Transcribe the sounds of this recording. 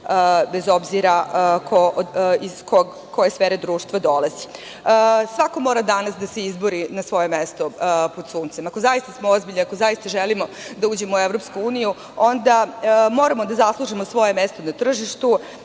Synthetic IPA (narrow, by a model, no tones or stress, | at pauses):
bezo̞bziɾakʰoizkoɡ | kʰo̞je̞sfeːɾed̪ɾuːʂt̪ʋad̪o̞lazi̥ | sʋako̞mo̞ːɾad̪anasd̪aseizboɾinasʋo̞je̞mest̪o̞pod̪suːnt̪semakozajist̪asmoozbiʎʲniakozajist̪aʒelimo̞ | d̪auːd͡ʑe̞mouevɾo̞pskuuːniju | o̞nd̪amo̞ːɾamo̞d̪azaslˠuʒimosʋo̞je̞me̞st̪o̞nat̪r̩ʒiʃt̪u